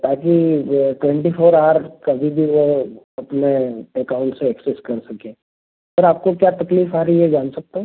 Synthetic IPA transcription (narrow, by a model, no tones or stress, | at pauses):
t̪aːkiʈwɛ̃ɳʈifʰoːɾaːɾkɐbʱibʱiʋo | ɐpneɛkaːʊ̃ɳʈseɛkseskɐɾsɐkẽː | pɐɾaːp̚kokjaːt̪ɐkliːfaːɾiɦed͡ʒaːnsɐk̚t̪eɦɛ̃